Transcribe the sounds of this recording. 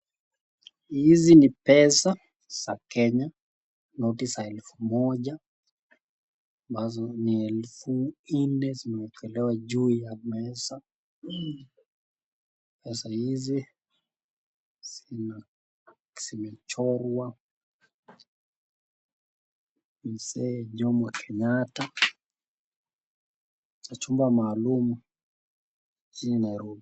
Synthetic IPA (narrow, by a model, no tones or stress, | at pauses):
hizinipɛsa | z̥akɛɲa | nɔtisaɛlfumɔʄa | ambazɔniɛlfun̩nɛzimɛwɛkʰɛlɛwaʄujamɛsa | pɛsahizi | zina | simɛt͡ʃɔɾwa | misɛʄɔmɔkʰɛɲata | t͡ʃat͡ʃumbamaːlumu | t͡ʃininajɾɔbi